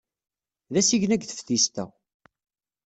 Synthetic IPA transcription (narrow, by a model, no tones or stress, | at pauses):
ðæsiʝnæɡθə̥fθist̪æ̰